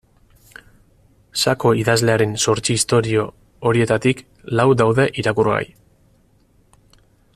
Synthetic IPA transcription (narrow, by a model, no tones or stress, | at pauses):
sako̞iðazle̞aɾe̞nso̞ɾt͡ʃiːst̪o̞ɾio̞ | oɾie̞t̪at̪ik | lawd̪awðe̞ʔiɾakura̰j